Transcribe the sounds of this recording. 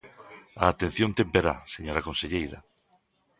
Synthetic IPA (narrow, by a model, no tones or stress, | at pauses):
aːt̪en̟θjont̪empeɾa̰seɲoɾɐkonseʎejɾɐ